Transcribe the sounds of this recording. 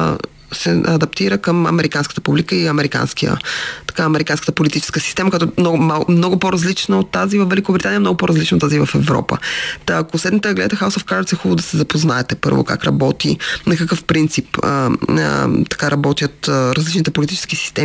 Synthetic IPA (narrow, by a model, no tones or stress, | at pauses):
sɛɐd̪ɐpt̪iɾəkəmɐ̰mɛɾʔikanskə̥t̪əpublikəiɐmɛɾika̰nskijə̰t̪ɐ̥kaɐmɛɾikanskə̥t̪əpolit̪it͡ʃɛ̥skəsi̥st̪ɛməkɐt̪ɔnɔmamnɔɡʊpoɾɐzlit͡ʃnəot̪ːazivəfvɛlikobɾʲit̪aniəɛmnɔɡʊpoɾɐzlit͡ʃnot̪ːazivɐfɛvɾɔ̰pə̰t̪ːkosɛd̪nit̪ɛɡlɛ̰t̪əxawsofkaɾt̪sɛxubd̪ɐsɛzɐpoznaɛt̪ɛpɤ̰ɾvo̰ka̰kɾɐ̰bɔt̪inɐkɐkəfpɾint̪sipə̰ə̰t̪ɐ̥kaɾɐbɔt̪jət̪ɾɐzlit͡ʃnit̪ɛpolit̪it͡ʃɛ̥skisi̥st̪ɛi